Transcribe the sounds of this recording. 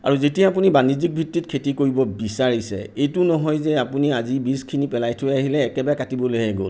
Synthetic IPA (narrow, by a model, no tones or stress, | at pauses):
a̰ɹuzetiaap̬unibanizik̚bʱitːit̚kʰetikoɹibɔbisaɹisɛ̰ejtʊnɔɦɔjzɛapuniazibiskʰinipɛlajtʰʊɛaɦilɛːkɛbaakatibɔlojɦɛɡo̰l